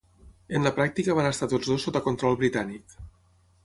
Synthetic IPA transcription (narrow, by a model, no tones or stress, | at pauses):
enlapɾak̚t̪ikəβanest̪at̪od͡zðosːot̪əkont̪ɾɔlˠβɾit̪anik